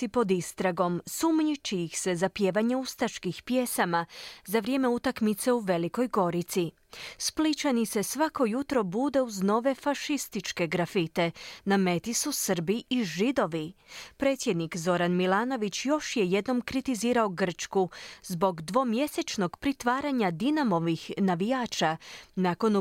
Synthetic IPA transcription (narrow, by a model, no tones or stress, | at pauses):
ipo̞d̪ist̪ɾaɡo̞msumɲit͡ʃijixse̞zapje̞ːʋaɲeust̪aʃkixpje̞samazaʋɾje̞ːme̞ut̪akmit̪seuʋe̞liko̞jɡo̞ɾit̪si | split͡ʃanise̞sʋako̞jut̪ɾo̞bud̪e̞uzno̞ʋe̞faʃist̪it͡ʃke̞ɡɾafit̪e̞name̞t̪isusr̩biiʒid̪o̞ʋipɾe̞ːt̪sʲjed̪nikzo̞ɾanmilaːno̞ʋit͡ɕjo̞ʃjeje̞d̪no̞mkɾit̪iziːɾaoɡr̩t͡ʃkuzbo̞ɡd̪ʋo̞mje̞set͡ʃno̞ɡpɾit̪ʋaːɾaɲad̪inamo̞ʋixnaʋijaːt͡ʃanako̞n